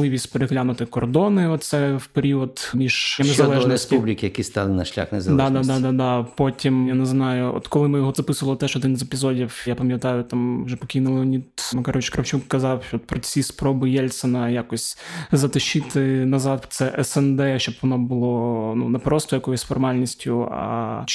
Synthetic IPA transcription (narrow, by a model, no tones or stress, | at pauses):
ɪʋʲisʲtʲpeɾeɦlʲanʊt̪ɪkɔrd̪ɔnɪɔt̪̚t̪sɛwpeɾʲiɔd̪mʲiʒ̥ɐnezɐɛnspublʲɪkʲɪjɐkʲist̪ɑ̰lˠɪnɐʃlʲa̰xnɛzɐd̪ad̪ad̪ɑd̪ɑd̪ɑpɔtʲimjaneznɑjʊɔ̰t̪kɔlˠɪmɪjɔɦɔzɐpɪsʊʋɐlˠɪt̪ɛʃɔd̪ɪnzepʲizɔdʲiwjapɐmʲjɐt̪ɑjʊt̪amʋʒɛpɔkʲinʊlˠnʲid̪mɐkɐɾʋɪt͡ʃkɾɐwt͡ʃukːɐzɑwʃɔt̪̚pɾɔt͡sʲispɾɔbɨjɛlʲsɔnɐjakɔsʲzɐt̪ɪʃɪt̪ɪnɐzɑd̪t̪sɛʔɛsɛnd̪ɛʃt͡ʃɔbʋɔnɔbʊlˠɔnṵnɛpɾɔst̪ɔjɐkɔjʊsʲsfɔrmɑlʲnʲisʲtʲʊɐ̰